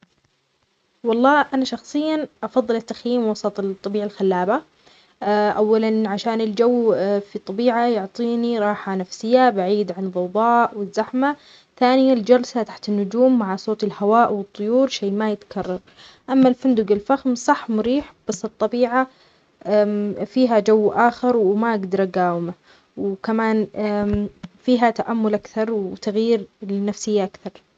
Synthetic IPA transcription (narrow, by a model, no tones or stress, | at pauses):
wɑlˤːɑːʔanaʃɑxsˤɨjːaʔɑfɑðˤːɨlɪt̪ːaxjiːmwɑsˤɑt̪ˤt̪ˤːɑbiːʕalxalːaːba | ʔawːalanʕaʃaːnɪld͡ʒawːfit̪ˤːɑbiːʕajʊʕt̪ˤiːniɾˤɑːħanafsɪjːabaʕiːd̪ʕanðˤɑwðˤɑːʔwɪzːaħma | θaːnɪjald͡ʒɑlsat̪aħt̪ɪnːʊd͡ʒuːmːaʕasoːt̪ɪlhawaːʔwɨt̪ˤːʊjuːɾʃeːmajɪt̪kʰɑrˤːɑɾˤ | ʔamːalfʊnd̪ʊɡɪlfaxmsˤɑħːmʊɾiːħb̥asːɨt̪ˤːɑbiːʕa | fiːɦad͡ʒawːʔaːxɪɾˤwmaʔaɡd̪ɑɾˤʔaɡaːwma | wkamaːn | fiːɦat̪aʔamːʊlʔakθɑɾˤwt̪aɣjiːɾlɪnafsɪjːaʔakθɑɾˤ